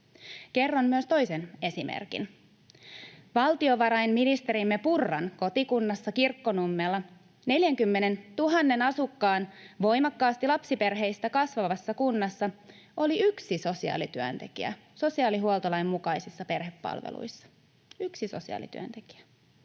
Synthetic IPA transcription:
ke̞rːonmyøst̪o̞jse̞ne̞simḛrkḭn | ʋɑlt̪io̞ʋɑɾɑjnminist̪e̞ɾimːepurːɑnko̞t̪ikunːɑsːɑkirkːo̞numːelːɑ | ne̞ljæŋkymːe̞ne̞nt̪uɦɑnːe̞nɑsukːɑːnʋo̞jmɑkːɑːst̪ilɑpsipe̞rɦe̞jst̪ækɑsʋɑʋɑsːɑkunːɑsːɑ | ʔo̞liyksiso̞siɑ̰ːlit̪yø̰nt̪e̞kḭæ̰ | so̞siɑːliɦuolˠt̪olɑjmːukɑjsisːɑpe̞rɦepːɑ̰lʋḛlṵjsːɑ̥ | yksiso̞̰siɑ̰ːlḭt̪y̰ø̰nt̪e̞ki̥æ̥

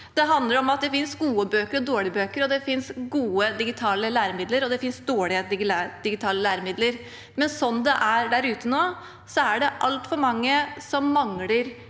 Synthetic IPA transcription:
d̪̥ɛɦɑnd̪ləɾɔmɑt̪̚d̪ɛfɪnsɡuːəbøːkəɾɔd̪oːɭɪbøːkəɾɔd̪ɛfɪnsɡuːəd̪ɪɡɪt̪ʰɑːləlæːɾəmɪd̪ləɾɔd̪ɛfɪnsd̪oːɭɪəɪɡ̪d̪̥ɪɡɪt̪ʰɑːləlæːɾəmɪd̪ləɾ | mɛnsɔnːd̪ɛʔæɖ̪æɾʉːt̪ənoː | sɔæɖɛʔɑlt̪fɔɾmɑŋːəsɔmːɑŋləɾ

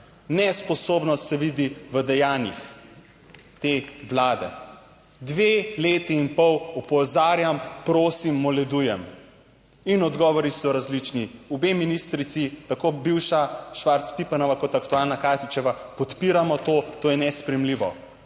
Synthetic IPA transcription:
nɛspɔsoːbnɔst̪sɛʋiːd̪iʋəd̪ɛjaːnjix | t̪eːwlaːd̪ɛ̰ | d̪ʋeːleːt̪iːnpɔwupɔzaːɾjampɾoːsimːɔlɛd̪ujɛm | inɔd̪ɡɔːʋɔɾisɔɾazlit͡ʃniɔbeminist̪ɾit̪sit̪akoːbiwʃaʃʋaɾt̪spipanɔʋakɔt̪akt̪ualnakaːt̪it͡ʃɛʋapɔt̪piːɾamɔt̪oːt̪oːjɛnɛspɾɛmliːʋɔ

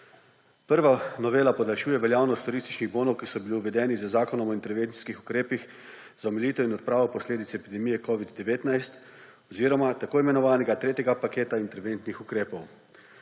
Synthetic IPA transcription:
pəɾʋanɔʋeːlapɔd̪alʃuːjɛʋɛljaːwnɔst̪uɾist̪i̥t͡ʃniɣboːnɔwkisɔbiliuʋɛd̪ɛːnizəzaːkɔnɔmɔint̪ɛɾʋeni̥skixu̥kɾeːpix | z̥aɔmɛliːt̪ɛinɔt̪̚pɾaːʋɔpɔsleːd̪it̪sɛpid̪ɛmiːjɛkɔʋid̪ːɛʋeːt̪najst̪ | ɔziːɾɔmat̪akoːimɛnɔʋaːnɛɡat̪ɾeːt̪ʲjɛɡapakeːt̪aint̪ɛɾʋent̪nixukɾeːpɔw

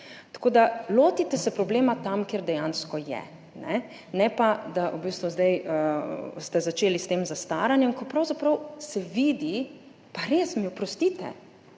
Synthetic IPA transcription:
t̪ḁkoːd̪aloːt̪it̪ɛsɛpɾɔbleːmat̪amkeːɾd̪ɛjãnskɔjɛ̰ | nɛ | nɛpad̪aʔubiːst̪ʋuzd̪ajəst̪ɛzat͡ʃeːlist̪eːmzast̪aːɾanjɛmkɔpɾawzapɾɐwsɛʋiːd̪i | paɾeːsmiɔpɾɔst̪iːt̪ɛ̰

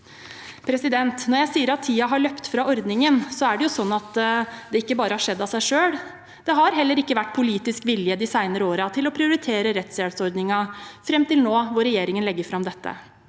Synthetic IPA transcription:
pʰɾɛsɪd̪ɛnt̪nɔɾjæɪsiːəɾɑt̪ʰːiːɑɦɑɭœpt̪fɾɑɔɾd̪nɪŋənsɔæɖɛjʊsɔnːɑt̪d̪ɛɪkːəbɑːɾəhɑʂɛd̪ːɑsæɪʂøːɽ | d̪̥ɛɦɑɾɦɛlːəɾɪkːəʋæʈːpʰʊliːt̪ɪskʋɪljəd̪ɪsæɪnəɾəoːɾɑt̪ʰɪlɔpʰɾɪʊɾɪt̪ʰeːɾəɾɛt̪sɛːlsɔɾd̪nɪŋɑfɾɛmt̪ɪlnoːʋɔɾɛjeːɾɪŋənlɛɡːəɾfɾɑmd̪ɛt̪ːə̰

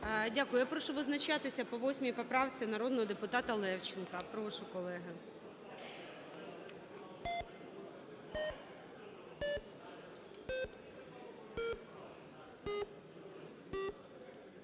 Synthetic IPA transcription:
dʲakʊjʊjapɾɔʃʊʋɪznɐt͡ʃɑt̪ɪsʲɐpɔʋɔsʲmʲijpɔpɾɑwt͡sʲinɐɾɔd̪nɔɦɔd̪epʊt̪ɑt̪ɐlˠɛwt͡ʃɪnkɐpɾɔʋaʃʊkɔlˠɛɦɪ

